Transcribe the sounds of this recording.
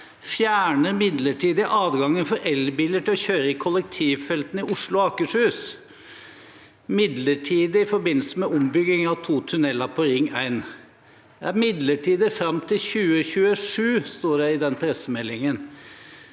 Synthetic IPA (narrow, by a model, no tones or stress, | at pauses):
fjæːɳəmɪd̪ləʈʰiːd̪əəʔɑːd̪ɡɑŋːənfɔɾʔɛlbɪləʈʰɪɔçøːɾəɪkʰɔlək̚t̪ʰiːʋfɛlt̪nɪʔʊʂlʊɑːkəʂhʉːs | mɪd̪ləʈʰiːd̪əɪfɔɾbɪnl̩səmɛʔʊmbʏɡɪŋɑʋt̪ʰuːt̪ʰʉnɛlːɑpʰɔɾɪŋːæɪn | d̪ɛæɾmɪd̪ləʈʰiːd̪əfɾɑmt̪ʰɪlçʉːəçʉːəʂʉːst̪oːɖɛɪd̪ɛnpʰɾɛsəmɛlːɪŋən